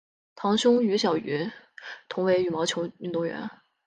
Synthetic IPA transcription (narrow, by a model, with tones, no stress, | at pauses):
t̪ʰɑ˧˥ŋɕʊ˥ŋy˧˥ɕjɑ˨˩ʊy˧˥ | t̪ʰʊ˧˥ŋwe˧˥ɪy˨˩mɑ˧˥ʊt͡ɕʰjo˧˥ʊy˥nt̪oʊ˥˩ŋɥɛ̰˧˥n